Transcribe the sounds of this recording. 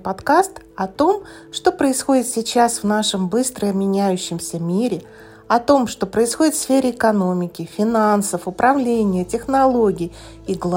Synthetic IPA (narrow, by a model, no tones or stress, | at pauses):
pɐt̪kast̪ | ɐt̪o̞m | ʂt̪o̞pɾəɪsxo̞dʲɪt̪sʲɪt͡ɕasvnaʂəmbɨst̪ɾəmʲɪnʲæjʉɕːɪmsʲəmʲiɾʲɪ | ɐt̪o̞mʂt̪o̞pɾəɪsxo̞dʲɪt̪fsfʲeɾʲɪɪkɐno̞mʲɪkʲɪfʲɪnansəfʊpɾɐvlʲenʲɪjətʲɪxnɐlˠoɡʲɪj | iɡlˠ